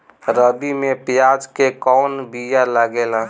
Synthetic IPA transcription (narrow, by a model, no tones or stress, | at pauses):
ɾəbimepjad͡ʒkekɔːnbijaləɡela